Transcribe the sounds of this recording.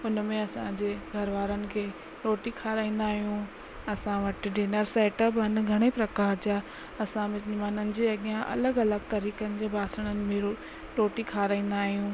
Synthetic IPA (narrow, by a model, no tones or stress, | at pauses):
ʊnmẽɐsãd͡ʑeːɡʱɐɾʋaːɾənɪ̆kʰeː | ɾoːʈikʰaːɾaːĩːnd̪aːɦijũ | ɐsãʋɐʈ̆ɖeːnəɾseːʈəbɐnɡʱɐɽ̃ipɾɐkaːɾd͡ʑaː | ɐsãmɪmaːnənɪ̆d͡ʑeːɐɠijãʔɐ̰ləɡɐləɡ̚t̪ɐɾiːkənɪ̆d͡ʑeːbʱaːsəɽ̃ənɪ̆mẽo | ɾoːʈikʰaːɾaːĩːnd̪aːɦijũː